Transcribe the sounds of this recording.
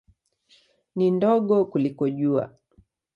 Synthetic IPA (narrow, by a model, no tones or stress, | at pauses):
nindɔɠɔkulikɔʄua̰